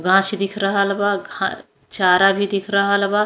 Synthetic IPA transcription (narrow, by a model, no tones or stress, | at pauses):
ɡʱãːt͡ʃd̪ɪkʰɾɐɦalbaɡʱã̰ | t͡ʃaːɾabʱid̪ikʰɾəɦəlba